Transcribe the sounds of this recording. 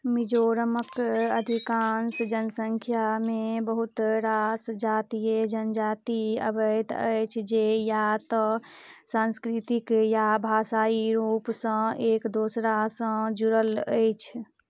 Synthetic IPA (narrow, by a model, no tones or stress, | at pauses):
mid͡ʒoɾəməkəd̪ʱikansd͡ʒənsə̃ŋkʰjamebəɦut̪ɾasd͡ʒaːt̪ijəd͡ʒənd͡ʒaːt̪iə̰bəjt̪əjt͡ʃʰd͡ʒejat̪ɔsãnskɾit̪ikjabʱaːsaːiɾuːpsə̃eːkd̪oːsɾasə̃d͡ʒuɾələjt͡ʃʰ